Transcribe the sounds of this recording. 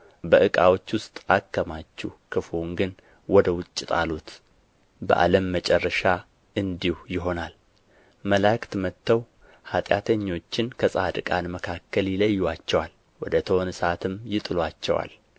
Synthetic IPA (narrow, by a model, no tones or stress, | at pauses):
bəʔɨkʼawo̞t͡ʃːwʊst̪ʼakːəmat͡ʃːuhkʰɨfuŋɡɨn | wɔd̪əwʊt͡ʃʼːɪt̪ʼalut̪ | bə̰ʔa̰ləmːət͡ʃʼɛrːəʃa | ɨnd̪ihujɪɦo̞nal | məlakt̪mət̪ʰːəw | hat̪ʼjat̪ʰəɲːo̞t͡ʃːɪnkʰəsʼad̪ɨkʼanməkʰakːəljɪləjːwat͡ʃːɛwal | wɔd̪ət̪ʰənɨsat̪ʰɨmjɪt̪ʼɨlwat͡ʃːɛ̰wa̰l